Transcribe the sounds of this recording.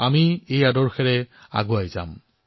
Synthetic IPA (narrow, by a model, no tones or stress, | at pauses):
amiejadɔɹxɛɹɛ | a̰ɡuajza̰m